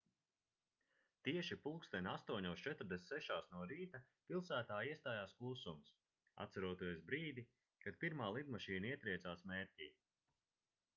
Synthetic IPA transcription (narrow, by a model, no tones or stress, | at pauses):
t̪iɛʃipulˠkst̪ɛnʲast̪uɔɲɔːst͡ʃɛt̪ɾd̪esʲsɛʃaːsnuɔɾiːt̪a | pilˠsæːt̪aːjiɛst̪aːjaːsklˠuːsums | a̰t̪t̪saɾuɔt̪iɛsbɾiːd̪i | kad̪piɾmaːlˠid̪maʃiːnaiɛt̪ɾiɛt̪saːsmeːɾʲciː